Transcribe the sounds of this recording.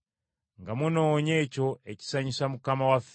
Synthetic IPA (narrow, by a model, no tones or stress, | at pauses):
ŋɡamuno̞ːɲe̞ːco̞e̞ci̥saɲisamukamawaf